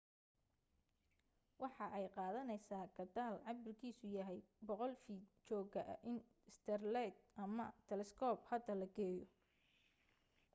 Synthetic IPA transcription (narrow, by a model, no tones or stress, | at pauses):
wɑħɑʔɛjqɑːðɐnɛjsaːɡɐd̪aːlʕɑbɪrkʰiːsʊjɐɦɛjbɔqɔlfiːt̪t͡ʃɔːɡɐʔɐ̰ʔɪn | ɪst̪ʰɛrlɛt̪ʔɐmɐt̪ʰɛlɛskʰɔːphɐd̪ɐlɐɡɛːjɔ